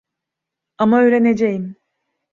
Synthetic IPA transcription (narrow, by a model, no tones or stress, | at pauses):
amaøjɾe̞ne̞d͡ʒejim